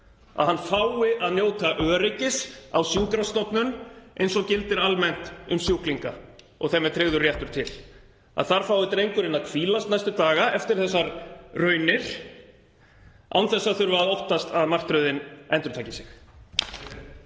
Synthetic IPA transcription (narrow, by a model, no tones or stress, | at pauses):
a̰ðhanːfawɪʔaðnjoːwt̪aʔœːɾejcɪsawsjuːkɾast̪ɔpnʏnḛjnsɔɣcɪlt̪ɪɾalmɛn̥t̪ʏmsjuwkliŋka | ɔ̰ɣθɛmɛt̪ʰɾɪɣðʏrjɛht̪ʏɾ̥t̪ʰɪl | a̰ðθaɾ̥faːwðɪt̪ɾejŋkʏɾɪnaðkʰviːlast̪najst̪ʏt̪aːɣaɛft̪ɪɾ̥θɛsːaɾrœːɥnɪɾ̥ | a̰wnθɛsːaθʏɾvaaðowht̪ast̪aðmar̥t̪ɾœɥðɪnɛnt̪ɾʏ̥ɾt̪ʰaːcɪsɪx